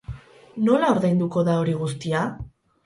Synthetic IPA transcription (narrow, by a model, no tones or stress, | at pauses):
no̞lao̞ɾðejnd̪uko̞ðao̞ɾiɣ̞ust̪ia